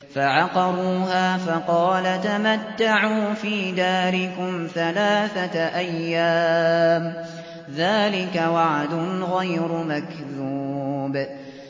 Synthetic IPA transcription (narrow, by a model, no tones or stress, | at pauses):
faʕɑqɑɾˤuːɦaːfɑqɑːlat̪amat̪ːaʕuːfiːd̪aːɾɪkʊmθalaːθaʔajːaːm | ðaːlɪkawaʕd̪ʊnɣajɾʊmakðuːb